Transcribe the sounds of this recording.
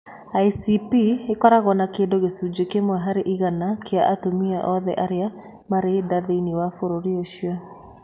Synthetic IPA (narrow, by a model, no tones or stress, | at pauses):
aisipiekɔɾaɣɔnakeːndoɣesud͡ʑekemwɛɦaɾeʔiɣanakʰeaʔatomiaʔɔðɛ̰ʔaɾea | maɾedaðeiniwafoɾoɾioʃiɔ